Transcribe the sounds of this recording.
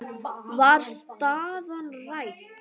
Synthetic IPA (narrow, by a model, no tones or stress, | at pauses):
vaɾst̪aðanraj